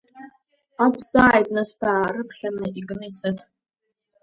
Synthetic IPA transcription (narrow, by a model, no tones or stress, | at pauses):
akʷʰzaajtʼnastʰaːɾɨpʰχʲanɨiɡɨnɨjsɨtʰ